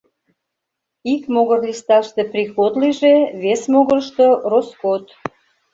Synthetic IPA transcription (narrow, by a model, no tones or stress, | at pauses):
ikmoɣərlʲist̪ɑʃt̪eprixod̪liʒeβesmoɣərʃt̪oroskot̪